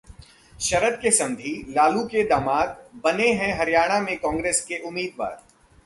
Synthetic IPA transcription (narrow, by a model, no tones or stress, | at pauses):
ʃɐɾəd̪kesɐ̃nd̪ʱilaːluked̪ɐmaːd̪bɐneɦɛ̃ɦɐɾijaːɽ̃amẽkɔ̃ːŋɡɾeːskeʔʊmːiːd̪ʋa̰ːɾ